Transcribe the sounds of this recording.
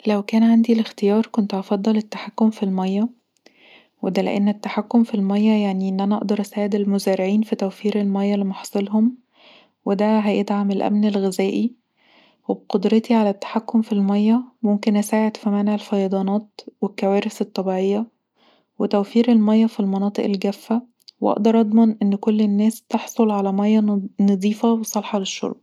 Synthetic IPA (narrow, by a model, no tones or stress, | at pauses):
læwkæːnʕand̪ilext̪ejɑːɾˤkont̪ʔɑfɑd̪ˤːɑlet̪ːḁħakːomfilmæjːæ | wed̪ælḛʔenːet̪ːaħakːomfilmæjːæjaʕniʔenːʔænæʔɑʔd̪ɑɾˤʔæsæːʕed̪elmozæːɾeʕiːnfit̪æwfiːɾelmæjːælːimɑħɑ̥sˤelɦom | wed̪æɦæjed̪ʕamelʔæ̰mnelɣezæːʔi | webqod̪ɾɑt̪iʕalæt̪ːḁħakːomfilmɑjːæmomkenʔæsæːʕed̪fimæneʕelfɑjɑd̪ˤɑːnɑːt̪wekːæwæːɾeset̪ˤːɑbiːʕejːæ | wet̪æwfiːɾelmɑjːɑfilmɑnɑːt̪ˤeʔelɡæfːæ | weʔɑ̰ʔd̪ɑɾˤʔɑd̪ˤmɑnʔenːkolːenːæːst̪eħsˤolʕalæmæjːɑnɑd̪ˤiːfɑwesˤɑlħɑleʃːo̰ɾb